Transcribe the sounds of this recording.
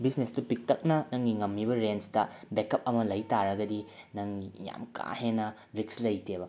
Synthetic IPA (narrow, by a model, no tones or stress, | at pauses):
bisnestupik̚tɐk̚nɐnɐŋɡiŋɐmːibɐɾent͡ʃtɐbekɐp̚ɐmɐlɐjtaɾɐɡɐdi | nɐŋːija̰mkʰa̰henɐ | ɾikslɐjtʰebɐ